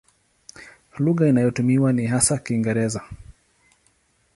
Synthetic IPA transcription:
luɣainajɔtumiwaniɦasakiːŋɡɛɾɛza

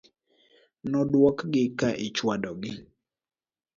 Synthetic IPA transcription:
nɔdwɔkɡɪkaʔɪt͡ʃwadɔɡɪ

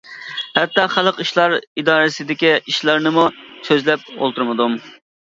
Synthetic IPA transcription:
hɛt̪ːɑχælˠəqiʃlˠɑɾid̪ɑːɾɪsɪd̪ɪkʲiiʃlˠɑɾnɨmusøzlɛp̚o̰lˠt̪ʰuɾmɨd̪um

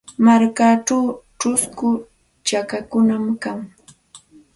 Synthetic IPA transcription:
maɾkaʈ͡ʂawʈ͡ʂʊskʊ | t͡ʃakakʊnamkaŋ

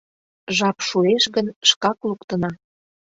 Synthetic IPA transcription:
ʒɑpʃueʃɣənʃkɑklukt̪ə̆nɑ

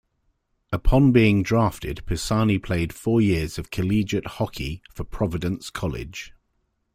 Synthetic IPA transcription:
əpʰɒ̃nbiːɪ̃ŋdɹɑˑftɪd̥pʰəsɑːnipʰl̥eɪd̥fɔːjɪəz̥əv̥kʰəliːd͡ʒəʔhɒkʰifəpʰɹ̥ɒvɪdə̃nskʰɒlɪ̰d̥ʒ̥

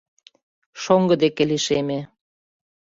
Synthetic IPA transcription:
ʃoŋɡə̆d̪ekeliʃeme

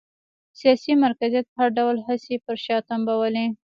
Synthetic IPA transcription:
sijɑsimaɾkazjat̪̚haɾɖawlɦəsepəɾʃɑt̪ambawali

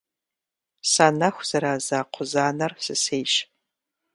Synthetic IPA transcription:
sanɐxʷz̥ɐɾaːzaːqʷʰʊzaːnɐrsɨsejʃ

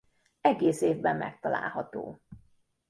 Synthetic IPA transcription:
ɛɡeːseːvbɛmːɛ̰k̚t̪ɒla̰ːlɦɒt̪o̰ː

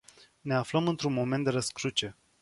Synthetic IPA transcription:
ne̞afləmɨnt̪ɾunmo̞ment̪d̪e̞ɾəskɾut͡ʃe̞

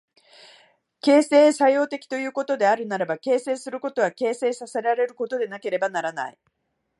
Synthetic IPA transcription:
ke̞ːse̞ːsajo̞ːt̪e̞kʲi̥t̪o̞jɯ̟ːko̞t̪o̞d̪e̞aɾɯ̟naɾabake̞ːse̞ːsɨɾɯ̟ko̞t̪o̞β̞ake̞ːse̞ːsasaɾeaɾe̞ɾɯ̟ko̞t̪o̞d̪e̞nake̞ɾe̞banaɾana̰i

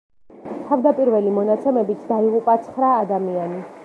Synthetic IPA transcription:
t̪ʰavd̪apʼiɾvɛlimɔnat̪sʰɛmɛbit̪ʰd̪aiʁupʼat̪sʰχɾaːd̪amiani

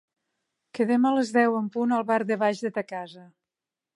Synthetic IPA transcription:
kəðemələzðɛwəmpunəlˠβaɾðəβaʒðət̪əkazə

